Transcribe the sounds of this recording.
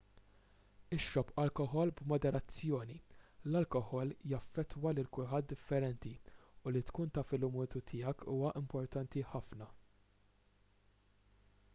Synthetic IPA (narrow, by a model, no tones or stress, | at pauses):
ɪʃːɔpɐlkɔɦɔlbmɔd̪ɛɾɐt͡sːjɔːnilɐlkɔħɔljɐfːɛt̪ːwɐlɪlkʊlħɐt̪̚d̪ɪfːɛɾɛnt̪iʊlit̪kuːnt̪ɐfɪlʊmuːt̪ut̪ʰɪːjɐkʰuːwɐʔɪmpɔɾt̪ɐnt̪iħɐfnɐ